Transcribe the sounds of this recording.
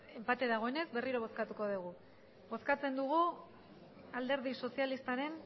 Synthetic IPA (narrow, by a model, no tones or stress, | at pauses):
e̞mpat̪e̞ðaɣ̞o̞e̞ne̞zbe̞riɾo̞β̞o̞skat̪uko̞ð̞uɣ̞u | bo̞skat͡se̞nd̪uɣ̞u | ald̪e̞ɾðiso̞sijalist̪aɾe̞n